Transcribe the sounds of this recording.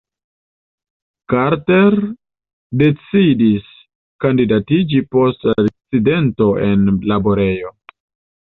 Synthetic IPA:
kaɾte̞ɾ | de̞t͡sidis | kandidatid͡ʒipo̞stt͡side̞nto̞ʔe̞nlaboɾe̞jo̞

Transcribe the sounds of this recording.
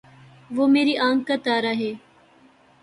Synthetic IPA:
ʋoːmeːɾiʔãːŋkət̪aːɾaɦeː

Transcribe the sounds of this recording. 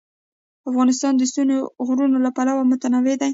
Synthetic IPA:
afɣɑnɪs̬t̪ɑnd̪əst̪unoɣɾunolapalawamʊt̪anawed̪aj

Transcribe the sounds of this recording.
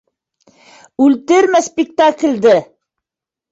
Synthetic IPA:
ʉlt̪ɘɾmæspʲɪk̚t̪aklʲd̪ɘ

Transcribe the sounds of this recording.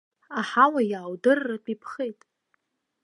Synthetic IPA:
aħawajaːwdɨrːapʼipʰχejtʼ

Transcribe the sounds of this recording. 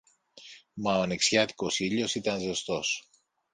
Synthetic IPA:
mɐoneksçat̪i̥kosiʎosit̪ɐnzest̪os

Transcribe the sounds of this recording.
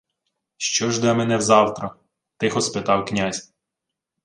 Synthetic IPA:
ʃt͡ʃɔʒd̪ɛmɛnɛwzɑwt̪ɾɐ | t̪ɪxɔspɪt̪ɑwknʲazʲ

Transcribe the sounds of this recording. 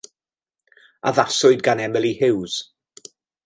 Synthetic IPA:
a̰ðasʊɨd̚ɡanɛməlˠihɪwz̥

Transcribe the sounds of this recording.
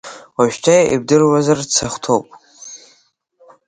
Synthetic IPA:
waʃᶣtʰajaʔib̚dɨrwazart͡sʰaχʷtʰowpʼ

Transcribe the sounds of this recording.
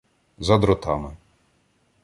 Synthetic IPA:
zɐd̪ɾɔt̪ɑmɪ

